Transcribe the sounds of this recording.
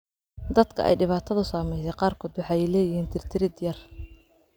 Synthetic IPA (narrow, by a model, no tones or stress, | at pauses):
d̪ɐd̪kʰɐ̰ʔɛ̰jɖɪβaːt̪ʰɐðʊsaːmɛjsɛjqɑːrkʰɔːd̪wɑħɑːjɛjlɛːjɪhiːnt̪ʰɪrt̪ʰɪɾɪd̪jɐr